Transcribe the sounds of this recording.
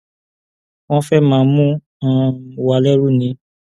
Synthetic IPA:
w̃ɔ̃˦fɛ˦mãː˨˧mũ˦ | ã˦˨wa˧˨lɛ˦ɾu˦˨nĩ˨˦

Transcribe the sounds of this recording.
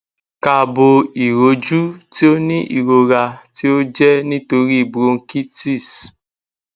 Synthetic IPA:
ka˨bo˧i˨ɾo˨˦d͡ʒu˦ti˦o˦nĩ˦ʔḭ˨ɾo˨ɾa˧ti˦o˦d͡ʒɛ˦nĩ˦to˧ɾi˦i˨bɾo˧˦ŋ̩˦ki˦ti˦˨s

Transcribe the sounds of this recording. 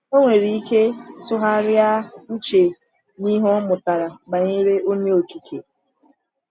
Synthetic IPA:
o˦ŋʷe˨ɾi˨˦i˦ke˦sʊ˦ɦa˦ɾja˦u˦t͡ʃe˨ | ni˦ɦɔ˦mʊ˨ta˨ɾa˨ɡ͡ba˨ɲe˦ɾe˦ʔo˦ɲe˦o˨t͡ʃi˨ke˨

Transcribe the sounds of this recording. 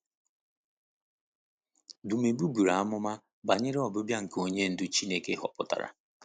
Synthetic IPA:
dʊ˨me˨bu˦ɡu˨ɾa˨a˦mʊ˦ma˦ | ba˨ɲɪ˦ɾɪ˦ɔ˨bʊ˦bja˦ŋ̩˨ko˦ɲe˦n̩˦dʊ˦t͡ʃi˦ne˦ke˦ɦɔ̰˨pʊ˦ta̰˨ɾa̰˨

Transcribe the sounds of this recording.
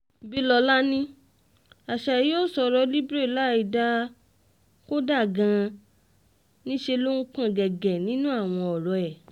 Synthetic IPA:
bi˦lɔ˧la˦nĩ˦ | a˨ʃa˨ɾi˨˦o˦˨sɔ˧ɾɔ˧li˦bɾe˦˨la˦i˧˨da˦ | ko˦da˦˨ɡã˧ | nĩ˦ʃe˧lo˦ñ̩˦k͡pã˦˨ɡɛ˨ɡɛ˨nĩ˨˦nũ˦a˦˨w̃ɔ̃˧ɔ˨ɾɔ˨ɛ˨

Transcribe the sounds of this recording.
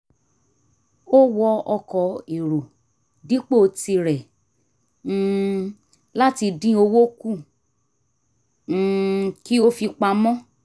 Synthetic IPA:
o˦wɔ˧ɔ˧kɔ˨i˨ɾo˨ | dĩ˨˦k͡po˦o˧ti˧ɾɛ˨˦˨ | la˦ti˧dĩ˦o˧wo˦kũ˦˨ | ki˦o˦fi˧k͡pa˧mɔ̃˦

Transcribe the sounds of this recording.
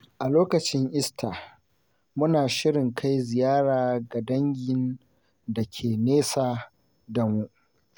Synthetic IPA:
ʔa˨loː˦kɐ˨t͡ʃɪ˦ŋʔɪ˦stʰa˨ | mʊ˦naː˨ʃɪ˦ɽɪ˨ŋkʰa˦jzɪ˨jaː˦ɽaː˨ɡa˨dɐ˦ŋɡʲɪ˨n | dɐ˨kʲʰeː˨neː˦saː˨ | dɐ˨mu˦ʔ

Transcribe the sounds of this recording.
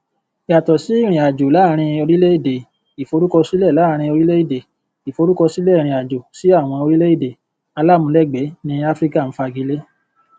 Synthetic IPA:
i˨a˨tɔ˨si˨˦i˦˨ɾ̃ĩ˨a˨d͡ʒo˨la˦ɾ̃ĩ˧o˧ɾi˦le˦i˦˨de˨ | i˨fo˨˧ɾu˦kɔ˧si˦lɛ˦˨la˨˦ɾ̃ĩ˧o˧ɾi˦le˦i˦˨de˨ | i˨fo˧ɾu˦kɔ˧si˦lɛ˦˨ɾ̃ĩ˨a˨d͡ʒo˨si˨˦a˦˨w̃ɔ̃˧o˧ɾi˦le˦i˦˨de˨ | a˧la˦˨mũ˧˦lɛ˦˨ɡ͡bɛ˨˦nĩ˧a˦fɾi˦ka˦˨n̩˦fa˧ɡi˨˦le˦

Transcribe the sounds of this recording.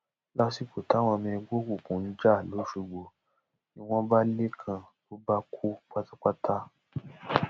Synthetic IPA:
la˦si˦˨ko˨ta˨˦w̃ɔ̃˧mĩ˧ɡ͡bo˦kʷu˦˨kũ˨n̩˦d͡ʒa˦˨lo˨˦ʃu˧˨ɡ͡bo˧ | nĩ˦w̃ɔ̃˦ba˦le˦kʰã˧˨ | to˨˦ba˦kʰu˦k͡pa˦ta˦k͡pa˦ta˦

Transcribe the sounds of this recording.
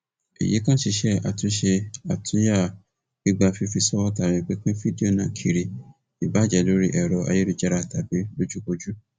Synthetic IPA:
ḛ˨jḭ˨˦kã˦ʃi˧ʃɛ˦a̰˨tũ˨˦ʃe˧a˨tʰũ˦ja˦˨ | ĩ˦ɡ͡ba˧fi˧fi˧sɔ˦wɔ˦ta˨ɾɛ̃˨k͡pe˦kĩ˦fi˦di˦o˦˨nãː˨kʰi˨ɾi˨ | i˨ba˨˦d͡ʒɛ˨lo˨˦ɾi˦ʔɛ˨ɾɔ˨ʔa̰˧je˦ɾi˧d͡ʒɛ˦˧ɾa˧˨ta˨be˨˦lo˦d͡ʒu˦ko˧d͡ʒu˦

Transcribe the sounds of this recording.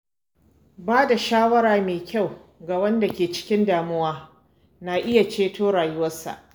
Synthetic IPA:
baː˦da˨ʃaː˦wɐ˦ɾaː˨meː˨kʲʰa˦˨w | ɡaː˨wɐ˦nda˨kʲeː˨t͡ʃɪ̥˦kʲɪ˦ndaː˨mʊ˦waː˦ | na˨ʔɪ˦ja˨t͡ʃeː˦tʰoː˦ɽaː˨jʊ˦wɐ˦sa̰˨ʔ

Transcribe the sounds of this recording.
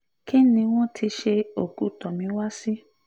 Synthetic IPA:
ki˦nĩ˧w̃ɔ̃˦tʰi˧˦ʃe˧o˨ɡu˨˦˨tɔ˨mĩ˧˦wa˦si˦

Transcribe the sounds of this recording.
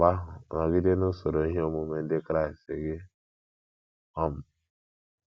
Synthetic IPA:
ba˦ɦʊ˨na˨ɡi˦de˦nʊ˦so˨ɾo˨i˦ɦe˦o˦mo˦me˨n̩˦dɪ˦kɾa˦˨ɪ˨ste˨ɡɪ˦ | ɔ˦m̩˨

